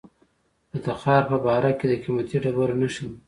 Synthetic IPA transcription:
d̪̥ət̪axɑɾpəbɑɾaked̪əkimat̪iɖabaɾnaʃi

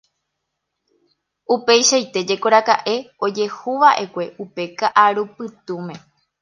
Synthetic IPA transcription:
upe̞jʃait̪e̞d͡ʒe̞koɾakaʔe̞o̞d͡ʒe̞huʋaʔe̞kʷe̞ʔupe̞kaʔaɾupɨt̪ũmẽ̞

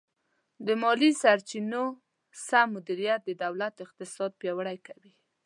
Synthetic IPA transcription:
d̪əmɑlisaɾt͡ʃino | samːʊd̪iɾijat̪̚d̪əd̪awlat̪ɪq̚t̪ɪsɑd̪̚pjɑwəɽajkawi

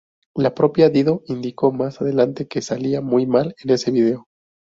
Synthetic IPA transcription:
lapɾo̞pjaðiðo̞ind̪iko̞masaðe̞lant̪e̞ke̞saliamujmale̞ne̞se̞β̞ið̞e̞o̞

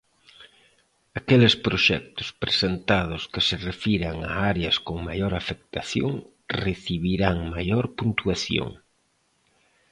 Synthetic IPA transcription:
akelɪspɾoʃɛ̰k̚t̪ʊ̥spɾe̥sent̪að̞ʊskɪserefiɾaŋa̰aɾeɐskoŋmajoɾafek̚t̪aθjo̰ŋ | reθiβiɾaŋmajoɾpunt̪uaθjo̰ŋ

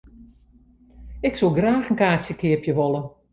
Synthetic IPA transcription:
ɪksolˠɡraːxənkaːsjəkɪəpjəʋɔlˠə

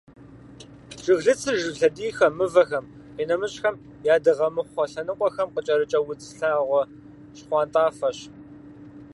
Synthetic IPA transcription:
ʒ̥ɨɣɮɨt͡sʰɨʒɨɮɐdiːxɐmɨvɐxɐm | iːnɐmɨɕʼxɐm | jaːdɨʁɐmɨχʷɔɬɐnɨqʷʼɔxɐmqət͡ʃʼɐɾɨt͡ʃʼɐwʊt͡sɬaːʁʷɔ | ʃχʷɑːntʼaːfɐɕ

